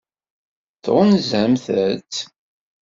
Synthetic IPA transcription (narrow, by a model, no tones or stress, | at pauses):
θʁənzəmθæt͡sː